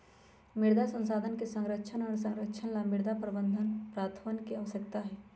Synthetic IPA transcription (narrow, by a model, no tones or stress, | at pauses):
mɪɽd̪ʱasə̃nsaːd̪ʱənkesə̃ŋɾəkːʃʰənɔːɾsə̃ŋɾəkːʃʰənlamɪɽd̪ʱapɾəbə̃nd̪ʱənpɾaːt̪ʰəənkeaːʋəsəkt̪aɦɛː